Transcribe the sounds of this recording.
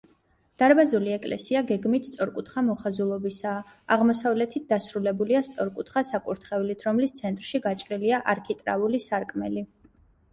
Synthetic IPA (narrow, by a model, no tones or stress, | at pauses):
d̪̥aɾbazuliɛkʼlɛ̰siaɡɛɡmit̪ʰstsʼɔɾkʼut̪ʰχamɔχazulˠɔbisaː | aʁmɔsavlɛt̪ʰit̪̚d̪asɾulɛbuliast̪sʼɔɾkʼut̪ʰχasakʼuɾt̪ʰχɛvlit̪ʰɾɔmlist̪sʰɛnt̪ʼɾʃiɡat͡ʃʼɾiliaʔaɾkʰit̪ʼɾa̰ulisaɾkʼmɛli